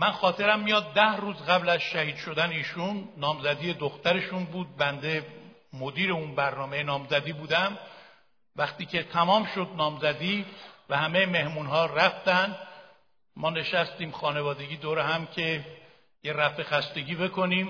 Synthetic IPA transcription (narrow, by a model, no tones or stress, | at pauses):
mænxɒːt̪ʰe̞ɾæmːijɒːd̪ːæhɾuːzɣæblæzʃæhiːd̪̥ʃo̞d̪æneiːʃunːɒːmzæd̪iːje̞d̪oxt̪æɾe̞ʃunbuːd̪̚bænd̪e̞mod̪iːɾe̞unbæɾnɒːme̞jenɒːmzæd̪iːbuːd̪æm | væxt̪iːcʰe̞t̪ʰæmɒːmʃo̞d̪̚nɒːmzæd̪iːvæhæme̞jeme̞hmunɦɒːræft̪ænd̪ | mɒːne̞ʃæst̪iːmxɒːne̞vɒːd̪e̞ɡiːd̪oːɾeɦæmcʰe̞ | jeɾæfe̞xæst̪e̞ɟiːbe̞kʰo̞niːm